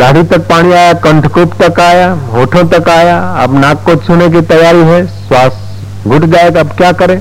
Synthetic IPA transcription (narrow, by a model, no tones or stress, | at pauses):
d̪aːɽit̪ɐk̚paːɽ̃iaːjakɐ̃ɳʈʰkuːpt̪ɐkaːjaɦoːʈʰõt̪ɐkaːjaɐ̰bnaːkːosʰʊnek̬it̪ɐjaːɾiɦɛswaːs | ɡʱʊʈʰd͡ʒaːekɐbkjaːkɐɾẽː